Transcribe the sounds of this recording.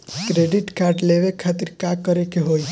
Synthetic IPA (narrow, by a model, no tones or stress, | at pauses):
kɾeɖiʈkaɾʈleʋekʰat̪iɾkãkːəɾekeɦoj